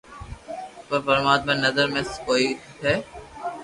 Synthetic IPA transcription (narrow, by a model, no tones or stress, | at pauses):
pəɾpəɾmaːd̪̚mẽnɐzəɾmẽskoːiɦɛː